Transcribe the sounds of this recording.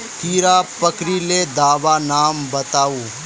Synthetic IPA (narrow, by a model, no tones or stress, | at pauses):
kiːɾaːpɐkɾiled̪aːʋanaːmbɐt̪aːuː